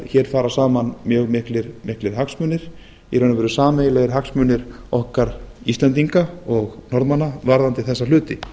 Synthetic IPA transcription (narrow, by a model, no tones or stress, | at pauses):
çɛːɾ̥faːɾasaːmanmjœːɣmɪhklɪɾmɪhklɪɾ̥ɦaksmʏːnɪɾ̥ | iɾœːjnavɛɾʏsaːmɛjlɛɣɪɾɦaksmʏːnɪɾɔhkaɾist̪lɛnt̪̬iŋkaɔɣnɔɾðmanːavaɾðant̪ɪθɛsːal̥ʏːt̪ɪ